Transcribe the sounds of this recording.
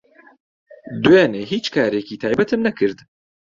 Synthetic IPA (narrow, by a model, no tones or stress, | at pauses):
d̪ujaːneːɦiːt͡ʃkʰaːɾekiːt̪ʰaːjbɛt̪ʰɨmnɛkʰɨɾd̪